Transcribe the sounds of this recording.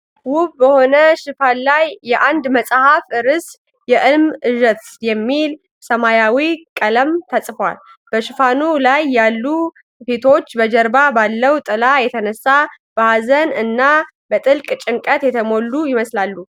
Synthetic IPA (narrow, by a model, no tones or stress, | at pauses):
wʊβbəho̞nəʃɪfanlajːɛʔand̪məsʼhafɨɾɨs | jɛʔɨlmɨʒət̪jɛmːil | səmajawikʼələmt̪ʰəsʼfwa̰l | b̥əʃɪfanulajːalːu | fet̪ʰo̞t͡ʃːbəd͡ʒəɾbabalːəwt̪ʼɨlajɛt̪ʰənəsːa | b̥əhazənɨnːa | bət̪ʼɨlkʼt͡ʃʼɪŋkʼət̪jɛt̪ʰəmo̞lːujɪməslalːu